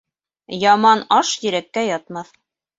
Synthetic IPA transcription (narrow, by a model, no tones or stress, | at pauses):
jɑmɑnɑʃjɘ̆ɾækːæjɑt̪̚mɑθ